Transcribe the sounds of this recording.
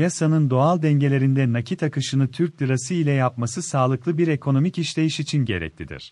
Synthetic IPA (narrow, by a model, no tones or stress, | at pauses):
jasanɯnd̪o̞alˠd̪ɛɲɟe̞lʲe̞ɾind̪ɛnacʰit̪ʰakʰɯʃɯnɯt̪ʰyɾc̚d̪ʲɯɾasɯilʲɛjapmasɯsaːlˠɯklˠɯbiɾe̞kʰo̞no̞miciʃlʲe̞jiʃit͡ʃʰinɟe̞̰ɾɛ̰c̚ʲlʰʲid̪ḭɾ̥